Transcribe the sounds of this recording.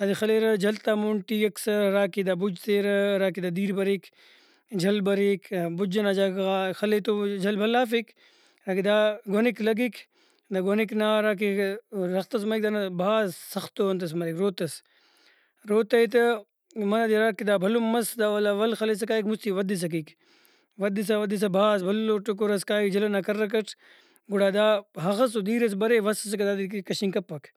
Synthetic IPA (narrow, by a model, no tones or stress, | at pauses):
ad̪ixɐleːɾɐd͡ʒɐlt̪aːmuɳʈijɐksɐɾaːkid̪aːbud͡ʒt̪eːɾɐɾaːkid̪aːd̪iːɾbɐɾik | d͡ʒʱɐlbɐɾikbud͡ʒɐnad͡ʒakaxɐlet̪od͡ʒɐlbʱɐlaːfik | ɾaːkid̪aɡoniklɐɡik | d̪aɡoniknaːɾaːk̬iɾɐxt̪ɐs̬mɐik̚d̪anɐbʱaːzsɐxt̪oːɐnt̪ɐs̬mɐɾikɾoːt̪ɐs | ɾoːt̪ɐit̪ɐ | mɐnad̪iɾakid̪aːbʱɐlomɐsd̪aːʋɐlaʋɐlxɐles̬ɐkaːikmust̪iʋɐd̪is̬ɐk̬ik | ʋɐd̪is̬aʋɐd̪is̬ɐbʱaːsbʱɐlloʈuk̬oɾɐskaːikd͡ʒɐlonakɐɾːɐk̬ɐʈʰ | ɡuɽaːd̪aːɦɐxɐsod̪iːɾɐs̬bɐɾeːʋɐsɐs̬ɐkɐd̪aːd̪ikkɐɕiŋkɐpːɐk